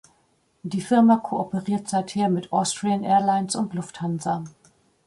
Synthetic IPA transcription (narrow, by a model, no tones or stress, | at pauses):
d̥iːfɪɐmakʰoopəʁiːɐtz̥aɪtheːɐmɪtʔɔstʁ̥iənʔɛːɐlaɪnsʊntlʊfthanzɐ